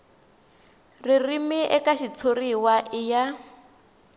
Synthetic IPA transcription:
ririmiʔɛkaʃit͡sʰoriwaʔɪja

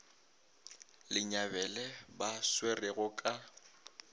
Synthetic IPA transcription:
lɪɲabɛlɛbaswereɣʊkʼa

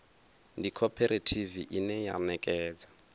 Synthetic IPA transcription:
ndikʰɔpʰɛɾʔetʰiviʔinɛja̰nɛkʼɛːd͡za

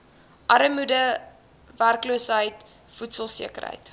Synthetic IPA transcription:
ʔɐɾəmudə | værkluəsɦəjt | futsəlˠsḭəkə̰ɾɦə̰jt

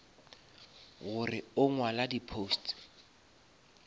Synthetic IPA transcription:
ɣʊrɪʊŋwaladipʰoːst

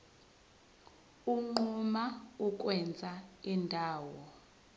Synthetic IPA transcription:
uŋ͡ǃumauk̬ʼwɛnd͡zʱaindʱaːwɔ

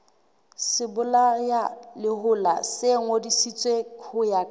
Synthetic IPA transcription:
sɪbʊlajalɪhʊlaseŋ̩odisit͡sʼwekʰʊjakʼ

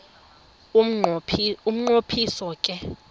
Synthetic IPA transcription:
um̩ŋ͡ǃopʰisɔkʼɛ

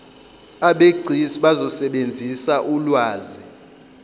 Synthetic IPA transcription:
aɓeɡ͡ǀʱisiɓazɔsɛɓend͡zʱisaʔulwaːzi

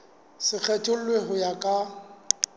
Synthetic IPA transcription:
sɪk͡xʰɛtʼʊlweɦʊjakʼa

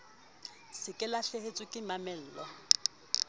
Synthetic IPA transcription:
sɪkʼɪlaɬehet͡sʼʊkʼɪmamɛl̩ːlɔ

